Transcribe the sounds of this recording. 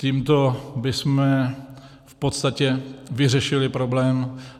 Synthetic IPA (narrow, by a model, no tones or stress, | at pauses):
ciːmt̪o̞bɪsmɛ | fpot̪st̪acɛvɪrɛʃɪlɪpɾoblɛːm